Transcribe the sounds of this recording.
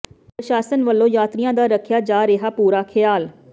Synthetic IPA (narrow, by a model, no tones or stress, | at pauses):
pəʃaːsənʋəlːõːjaːt̪ɾɪjãːd̪aːɾəkʰjaːd͡ʒaːɾeɦaːpuːɾaːkʰɪjaːl